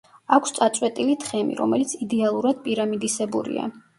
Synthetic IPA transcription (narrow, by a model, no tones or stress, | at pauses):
akʰst̪sʼat̪sʼwɛt̪ʼilit̪ʰχɛmḭɾɔ̰mɛlit̪sʰid̪ɛalˠuɾad̪̥̚pʼiɾamid̪isɛbuɾḭa̰